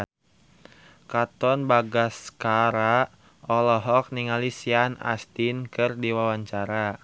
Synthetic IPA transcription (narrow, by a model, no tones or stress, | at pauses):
kat̪ɔnbaɡaskaɾa | ɔlɔɦɔk̚niŋalisiana̰st̪inkɨrdiwawaɲt͡ʃaɾa